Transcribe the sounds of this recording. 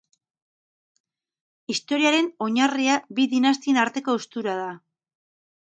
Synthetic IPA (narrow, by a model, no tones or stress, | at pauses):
ist̪o̞ɾiaɾe̞no̞ɲariabiðinas̬t̪ie̞naɾt̪e̞ko̞ust̪uɾað̞a